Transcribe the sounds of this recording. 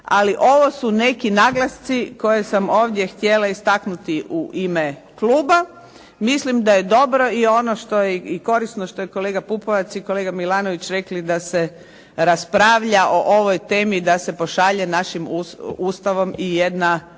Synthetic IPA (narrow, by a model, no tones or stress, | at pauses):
a̰liʔo̞ʋo̞sune̞kinaɡlast̪siko̞jesamo̞ːʋd̪je̞xt̪je̞laist̪aknut̪iʔuʔime | kluːba | mislimd̪aje̞d̪o̞bɾo̞io̞noʃt̪o̞jeiko̞ɾisnoʃt̪o̞jeko̞le̞ːɡapupoʋat̪siko̞leːɡamilaːnoʋit͡ɕɾe̞klid̪ase | ɾaspɾaːʋʎaʔo̞ʔo̞ʋojt̪e̞ːmid̪ase̞po̞ʃaʎenaʃimuuːst̪aʋo̞mijed̪na